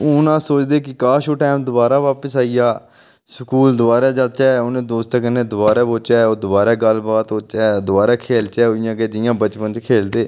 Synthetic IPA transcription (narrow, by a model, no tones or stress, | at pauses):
ʊnãːsoːt͡ʃd̪eːkɪkaːʃoːʈaːmd̪ʊbaːɾaːʋaːpəsaːiːjaː | səkuːld̪ʊbaːɾɛːd͡ʒəlt͡ʃɛːoːnẽːd̪oːst̪əkənẽːd̪ʊbaːɾɛːboːt͡ʃɛːoːd̪ʊbaːɾɛːɡəlbaːt̪oːt͡ʃɛːd̪ʊbaːɾaːkʰeːlt͡ʃɛːoɪjãːkeːd͡ʒɪjãːbət͡ʃpənt͡ʃkʰeːld̪eː